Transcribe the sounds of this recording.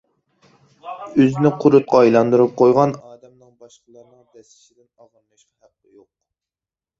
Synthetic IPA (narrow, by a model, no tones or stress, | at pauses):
øznɪqʰʊɾut̪̚qʰɑɑjlˠɑnd̪uɾup̚qʰojʁɑnɑːd̪ɛmnɨŋbɑʃqəlˠɨɾnɨŋd̪ɛsɪ̥ʃid̪ɪnɑʁɑnmɑʃqɑhæqːɨ̰joq